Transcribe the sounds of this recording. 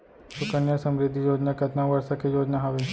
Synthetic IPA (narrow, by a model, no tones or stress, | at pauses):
sʊkənjasɐmɾɪd̪ʱːijoːd͡ʒnakɐt̪naʋɐɾsakejoːd͡ʒnaɦɐʋe